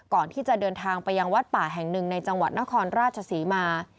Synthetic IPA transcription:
kɔː˨˩nt̪ʰiː˥˩t͡ɕa˨˩dɤː˧nt̪ʰaː˧ŋpa˧jːa˧ŋwa˦˥t̪̚paː˨˩ɦɛ˨˩ŋnɯ˨˩ŋna˧jt͡ɕa˧ŋwa˨˩t̪̚na˦˥kʰɔː˧nɾaː˥˩t̪̚t͡ɕʰa˧siː˩˦maː˧

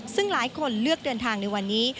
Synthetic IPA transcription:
sɯ˥˩ŋlaː˩˦jkʰo˧nlɯ˥˩ək̚dɤː˧nt̪ʰaː˧ŋna˧jwa˧nːiː˦˥

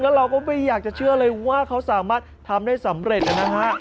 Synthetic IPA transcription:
ŋlɛː˦˥ɾa˧wkɔː˥˩ma˥˩jːaː˨˩k̚t͡ɕa˨˩t͡ɕʰɯ˥˩ɐlɤː˧jwaː˥˩kʰa˦˥wsaː˩˦maː˥˩t̪̚ʰːa˧mdaː˥˩jsa˩˦mɾe˨˩t̪̚ʔa˨˧˩na˦˥kʰa˦˥

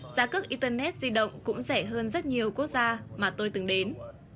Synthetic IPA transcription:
z̥aː˨˦ka˦˥k̚ʔi˧t̪əː˧nɛ˦˥t̚zi˧ɗə̰˧˨wŋ͡mkʊ̰˧˥ŋ͡msɛ˧˩ɦəː˧nzə˦˥t̚ɲi˨˩əwku˦˥ək̚zaː˧maː˨˩t̪o˧jt̪ɨ˨˦ŋɗe˨˦n

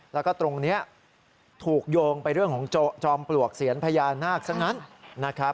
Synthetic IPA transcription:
lɛ˦˥wkɔː˥˩t̪ɾo˧ŋni˦˥ɐ | t̪ʰuː˨˩k̚joː˧ŋpa˧jɾɯ˥˩əŋkʰɔː˩˦ŋ˧t͡ɕɔː˧mplu˨˩ək̚si˨˩˦ənpʰa˧jaː˧nːaː˥˩k̚sa˦˥k̚na˦˥nna˦˥kʰa˦˥p̚

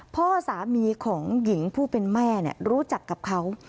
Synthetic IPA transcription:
pʰɔː˥˩saː˩˦miː˨˧kʰɔː˩˦ŋji˩˦ŋpʰuː˥˩pe˧nmɛː˥˩ni˦˥˩ɐɾuː˦˥t͡ɕa˨˩kːa˨˩p̚kʰa˦˥w

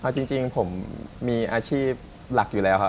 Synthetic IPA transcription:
ʔa˧˩t͡ɕi˧ŋt͡ɕi˧ŋpʰo˩˦mːiː˧ʔaː˧t͡ɕʰiː˥˩p̚ | la˨˩k̚ju˨˩lɛː˦˥wkʰa˦˥

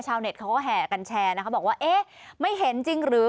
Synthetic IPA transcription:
t͡ɕʰaː˧wne˨˩t̚ʰa˦˥wkɔː˥˩ɦɛː˨˩ka˧nt͡ɕʰɛː˧n˦kʰa˦˥wbɔː˨˩kwaː˥˩ʔeː˥˩ma˥˩jɦe˨˦nt͡ɕi˧ŋɾɯː˨˩˦

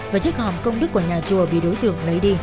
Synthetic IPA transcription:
vaː˨˩t͡ɕi˦˥k̚hɔ˨˩mkə˧wŋ͡mɗɨ˦˥k̚ːu˧˩əɲaː˨˩t͡ɕu˨˩əɓḭ˧˨ɗo˨˦jt̪ɨ̰˧˨əŋlə˨˦jɗi˧

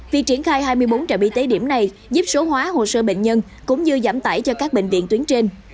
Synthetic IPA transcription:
vi˨˩k̚t͡ɕi˧˩ənxaː˧jhaː˧jmɨ˧əjɓo˨˦nt͡ɕəː˨˩ɓḭ˧˨t̪e˨˦ɗi˧˩əmna˨˩j | zu˦˥p̚so˨˦ɦwaː˨˦ɦo̰˧˨˩səː˧ɓḛ˧˨ŋ̟ɲə˧n | kʊ̰˧˥ŋ͡mzɨ˧za̰ː˧˩mt̪aː˧˩jt͡ɕɔ˧kaː˦˥k̚ɓḛ˧˨ŋ̟vḭ˧˨ənt̪wi˨˦ənt͡ɕe˧n

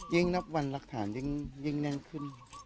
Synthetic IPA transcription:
ji˧˥ŋna˦˥p̚wa˧nla˦˥k̚t̪ʰaː˩˦nji˧˥ŋji˧˥ŋnɛ˧˥ŋkʰɯ˧˥˩n

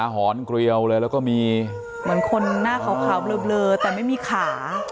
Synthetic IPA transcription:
a˧ɦɔː˩˦nkɾi˧əwlɤː˧jlɛ˦˥wkɔː˥˩miː˧ | mɯ˩˦ənkʰo˧nːaː˥˩kʰaː˨˩˦wkʰaː˨˩˦wblɤː˧blɤː˧t̪ɛː˨˩ma˥˩jmiː˧kʰaː˩˦

